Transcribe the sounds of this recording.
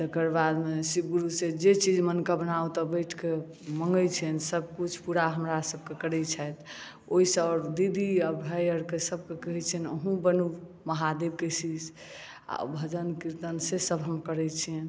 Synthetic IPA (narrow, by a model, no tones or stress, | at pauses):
t̪əkəɾbad̪mesiɡuɾused͡ʒet͡ʃid͡ʒmənkəbənaut̪ɔbəjʈʰke | məŋɡət͡ʃʰiənsəb̚kut͡ʃʰpuɾaɦəmɾasəb̚kekəɾɛt͡ʃʰəjt̪ | oɦisɔɾd̪id̪ʱiəbʱəjəɾkesəb̚kekəɦɛt͡ʃʰinə̰ɦũbənu | məɦad̪eb̚kesid͡ʒ | a̰bʱəd͡ʒənkiɾt̪ənsesəbɦəmkəɾɛt͡ʃʰiən